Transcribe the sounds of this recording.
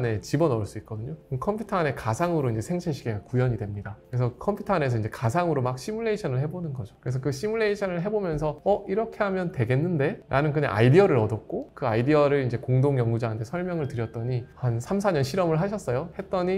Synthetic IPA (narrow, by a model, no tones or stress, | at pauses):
ne̞t͡ɕibʌnʌɭs͈uit̚k͈ʌdɯɲokkʰʌmpʰjutʰʌane̞kasʰaŋɯɾoind͡ʑe̞sʰeŋt͡ɕʰeɕʰiɡeɡakujʌɲidwe̞mɲidakɯɾe̞sʰʌkʰʌmpʰjutʰane̞sʰʌind͡ʑe̞kasʰaŋɯɾomak̚ɕ͈imuɭːe̞iɕʰʌnɯɭɦe̞bonɯnɡʌd͡ʑo̥kɯɾe̞s̬ʰʌkɯɕ͈ʰimuɭːe̞iɕʰʌnɯɭɦe̞bomjʌnsʰʌʌiɾʌkʰe̞ɦamjʌntwe̞ɡe̞nːɯnde̞ɾʔanɯnkɯna̰ʔa̰idiʌɾɯɾʌdʌt̚k͈okɯaidiʌɾɯɭind͡ʑe̞koŋdoŋjʌŋɡud͡ʑaantʰesʰʌɭmjʌŋɯɭtɯɾjʌt̚t͈ʌɲihansʰams̬ʰaɲʌnɕʰiɾʌmɯɭɦaɕʰʌs͈ʌjohe̞t̚t͈ʌɲi